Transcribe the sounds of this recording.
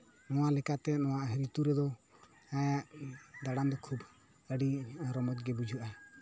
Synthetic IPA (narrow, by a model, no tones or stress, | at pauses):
nɔwalɛkat̪ɛnɔw̃aʔɦəɾit̪uɾɛd̪ɔ | ajaʔd̪aɽand̪ɔkʰub | əɖiɾɔmɔt̪̚ɡɛbud͡ʒʱuʔa